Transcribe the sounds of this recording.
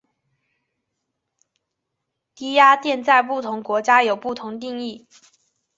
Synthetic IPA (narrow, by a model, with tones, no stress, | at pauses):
t̪i˥ja˥t̪jɛ˥˧nt͡sa˥˧ɪpu˥˩t̪ʰʊ˧˥ŋkwɔ˧˥t͡ɕja˥jo˨˩ʊpu˥˩t̪ʰʊ˧˥ŋt̪̬i˥˧ŋi˥˩